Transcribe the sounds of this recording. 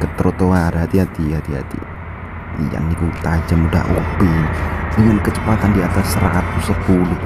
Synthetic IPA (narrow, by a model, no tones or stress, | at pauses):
kət̪ɾot̪oaːdaɦat̪iɦat̪iɦat̪iɦa̰t̪ḭ | ja̰nːikut̪ad͡ʒamuda̰ʔṵpiiŋənkət͡ʃəpat̪andiat̪asːəɾa̰ʔat̪̚kusəpuluh